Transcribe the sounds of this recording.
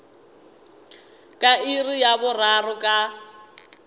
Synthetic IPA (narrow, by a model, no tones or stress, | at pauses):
kʼairijabʊrarʊkʼa